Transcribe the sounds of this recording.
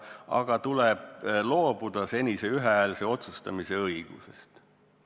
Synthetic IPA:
ɑ̰ɡ̥ɑt̪uleb̥lo̞ːb̥ud̪̥ɑse̞nʲise̞yɦeælse̞o̞t̪sust̪ɑmise̞ɤiɡ̥ṵse̞̰st̪

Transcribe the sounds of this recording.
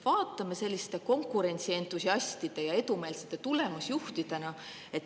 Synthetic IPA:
vɑːt̪ːˑɑmese̞lʲːist̪e̞ko̞ŋkːˑuɾe̞nʲt̪sie̞ːnt̪usiɑsʲt̪id̪̥e̞jɑe̞t̪ume̞ːlset̪ːˑet̪ulemɑsjuht̪id̪̥e̞nɑ | e̞t̪ː

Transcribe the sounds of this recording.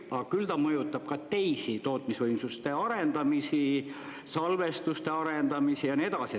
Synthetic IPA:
ɑɡɑkylt̪ɑmɤjut̪ːˑɑb̥̚kɑt̪e̞jsit̪o̞ːt̪ˑmisvɤjmsust̪e̞ɑɾe̞nd̪ɑmisi | sɑlve̞st̪ust̪e̞ɑɾe̞nd̪ɑmisijɑnie̞t̪ɑsi

